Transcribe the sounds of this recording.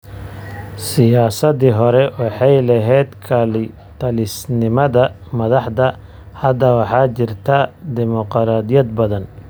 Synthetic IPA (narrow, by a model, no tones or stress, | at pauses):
sɪjaːsɐðiɦɔɾɛwɑħɑjlɐɦɛjd̪kʰaːlɪ | t̪ʰɐlɪsnɪmɐðɐ | mɐðɑħd̪ɐ | hɐd̪ɐwɑħɑːt͡ʃɪrt̪ʰɐd̪ɪmɔqɾaːd̪jɐd̪bɐðɐn